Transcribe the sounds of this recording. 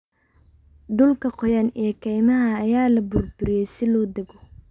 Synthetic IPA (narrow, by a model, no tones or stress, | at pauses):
ɖʊlkʰɐqɔjɐnijkʰɛjmɐɦɐːjaːlɐbʊrbʊɾɪjɛjsɪlɔːd̪ɐɡɔ